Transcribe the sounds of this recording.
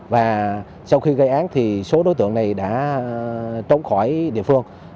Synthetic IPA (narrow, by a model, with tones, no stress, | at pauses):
vaː˨˩ | sa˧wxi˧ɣə˧jʔaː˨˦nt̪ʰi˨˩so˨˦ɗo˨˦jt̪ɨ̰˧əŋna˨˩jɗa̰ː˧˥ | t͡ɕə˨˦wŋ͡mxɔ˧˩jɗḭ˧˨əfɨ˧əŋ